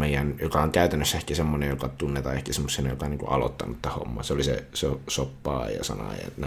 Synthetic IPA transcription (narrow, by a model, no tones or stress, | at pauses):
meijænjokɑoŋkæyt̪ænːøsːæehkæsemːonejjokɑt̪unːet̪ɑ̰ehkæsemːosːinɑjokɑniŋkṵʔɑlo̰t̪ːɑnut̪t̪æho̰mːɑ̰ːseolisḛsosopːɑ̰ːjɑ̰sɑ̰nɑ̰jɑ̰t̪n